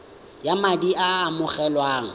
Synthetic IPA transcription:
jamadiʔaːmʊχɛlwaːŋ̩

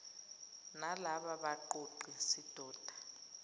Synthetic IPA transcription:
nalaɓaɓaǃoǃʱisid̥ʱɔːd̥ʱḁ

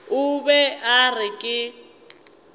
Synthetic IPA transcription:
ʊbɛarɪkʼɪ

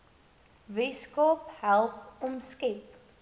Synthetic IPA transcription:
ʋiskoːphɛlpɔmskep

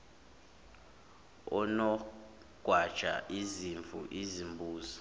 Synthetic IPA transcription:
ɔnɔ | ɡ̥ʱwad̥ʒ̥ʱʼa̰ʔiziɱvʱṵʔizimbʱuːzɔ

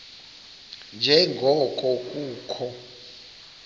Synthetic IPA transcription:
nd͡ʒʱɛŋɡʱɔkʼɔk̬ʼuːkʰɔ

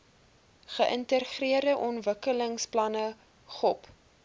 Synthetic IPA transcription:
χəʔəntəχriərdəʔɔnvəkələŋsplɐnə | χɔp

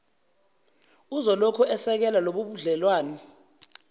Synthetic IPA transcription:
uzɔlɔkʰɔʔɛsɛk̬ɛlaloɓuɓuɮɛlwaːnɔ

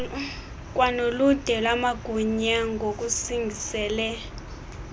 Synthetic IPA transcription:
k̬ʼwanolud̥ʱɛlamaɡ̥ʱuɲaŋɡʱok̬ʼusiŋɡʱisɛːlɛ

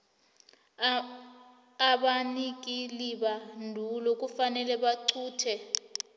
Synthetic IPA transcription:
aɓanik̬ʼiliɓandʱulok̬ʼufanɛlɛɓaǀʰuːtʰɛ

